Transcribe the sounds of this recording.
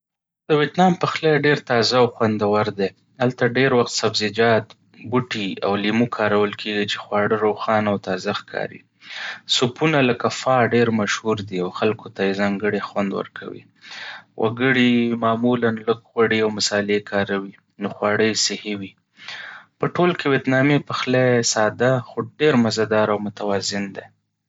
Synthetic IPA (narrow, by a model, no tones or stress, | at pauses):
d̪̥əwjet̪nɑmpəxlajɖeɾt̪ɑzaawxwand̪awaɾd̪e | alt̪aɖeɾwaxt̪sabzɪd͡ʒɑt̪ | buʈia̰wlimukʰɑɾawəlkʰeɡit͡ʃe̥xwɑɽəɾoxɑnawt̪ɑzaxkʰɑ̰ɾḭ | supunaləkafɑɖeɾmaʃhuɾd̪iawxalkot̪ajezɑŋɡəɽexwand̪wə̰ɾkʰa̰wḭ | wʔa̰ɡəɽimɑmulanləɡɣwaɽiawmʊsɑlekʰɑɾawi | noxwɑɽəjsɪhewi | pəʈolkewet̪nɑmepəxlasɑd̪axoɖeɾmazad̪ɑɾawmʊt̪awɑzɪnd̪e